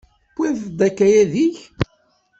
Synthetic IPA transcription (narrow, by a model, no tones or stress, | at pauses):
kːiθd̪ækːæjæðiç